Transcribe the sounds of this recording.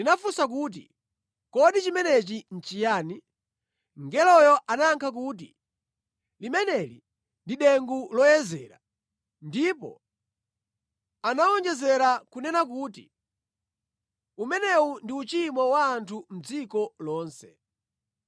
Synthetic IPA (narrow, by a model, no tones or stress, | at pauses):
linafusak̬uːt̬ḭ | kɔɗit͡ʃimɛnɛt͡ʃin̩t͡ʃijaːni | ŋɡɛlɔjɔʔanaŋkʰak̬uːt̬ḭ | limɛnɛlḭ | ndiɗɛŋɡulɔjɛzɛːɾa̰ | ndipɔ̰ | anaɔnd͡ʒɛzɛɾakunɛnak̬uːtḭ | umɛnɛundiut͡ʃimɔwaːntʰum̩d͡zikɔlɔːnsɛ